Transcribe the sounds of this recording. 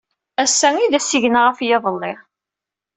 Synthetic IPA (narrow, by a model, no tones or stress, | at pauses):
æsːæŋiðæsiʝənaʁəfjɑðˤəlːɪʁ